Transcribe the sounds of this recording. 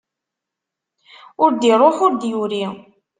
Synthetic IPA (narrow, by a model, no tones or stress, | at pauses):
ʊɾd̪iɾˤoħʊɾd̪juɾi